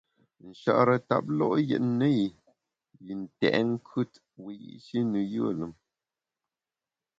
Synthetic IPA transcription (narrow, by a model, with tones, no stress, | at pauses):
n̩˨ʃa̰˦˨ʔɾə˨ta̰˨p̚lɔ̰˦ʔjə̰˨ʔnə˦ji˨ | ji˨n̩˨tɛ̰˨ʔŋ˦kʰʉ˦˨t | wi˨jḭ˦ʔʃi˦nu˨jɨ˦ə˦˨lɨ˨m